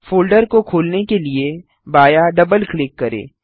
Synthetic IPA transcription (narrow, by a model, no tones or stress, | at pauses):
foːlɖəɾkokʰoːlnekelie | baːjaɖɐbəlklɪkːɐɾḛː